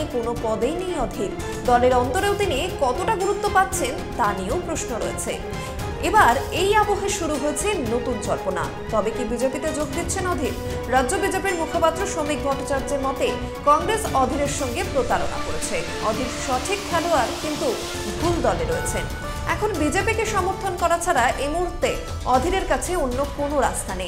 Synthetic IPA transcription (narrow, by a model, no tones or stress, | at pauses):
ekonopɔd̪ejnijɔd̪ʱik | d̪ɔleɾɔnt̪oɾewt̪inikɔt̪oʈaɡuɾut̪ːopat̪ːɕʰen | t̪aniopɾosnoɾo̰ḛt͡ɕʰe | ebaɾejapoɦeʃuɾuɦoet͡ɕʰenot̪und͡ʑɔɾpona̰ | t̪ɔbekibid͡ʑepit̪ed͡ʑoɡ̚d̪it̪ːɕʰenɔd̪ʱiɾ | ɾadːʑobid͡ʑepiɾmukʰopat̪ːɾoʃomik̚bʱɔʈːat͡ɕaɾd͡ʑeɾmɔt̪e | kɔŋɡɾesɔd̪ʱiɾeɾʃɔŋɡepɾot̪aɾona̰koɾet͡ɕʰe | ɔd̪ʱiɾʃɔʈʰikʰːɛloaɾkint̪u | bʱuld̪ɔleɾoet͡ɕʰen | ɛkʰonbid͡ʑepikeʃɔmoɾt̪ʰonkɔɾat͡ɕʰaɾaʔejmuɦuɾt̪ːe | ɔd̪ʱiɾeɾkat͡ɕʰeonːokonoɾa̰st̪ʰanej̃